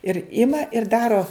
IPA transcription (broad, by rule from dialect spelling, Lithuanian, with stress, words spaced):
ɪr ˈɪmɐ ɪr ˈdɑːroː